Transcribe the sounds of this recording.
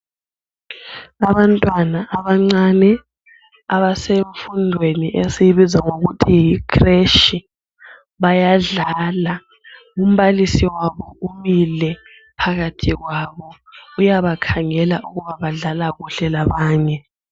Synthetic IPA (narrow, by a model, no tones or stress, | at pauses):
aβantʼwanaʔaβaŋ͡ǀanɛ | aβaseɱfundʱweniʔesiβizaŋoɣutʰijikʰreʃi | βajaɮala | ŋum̩βalisiwaβɔumilɛ | pʰaɣatʰiɣwaβɔ | ujaβakʰaŋɛlaʔuɣuβaβaɮalaɣuɬɛlaβaːɲɛ